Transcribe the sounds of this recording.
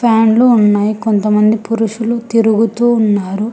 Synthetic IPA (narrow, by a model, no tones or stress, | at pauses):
pʰaːnluːnːaːjikont̪ɐmɐnd̪ipuɾuʂulut̪iɾuɡut̪uːnːaːɾu